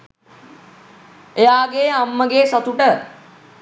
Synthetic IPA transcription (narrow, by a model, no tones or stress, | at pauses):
ejaːɡeːamːəɡeːsat̪uʈə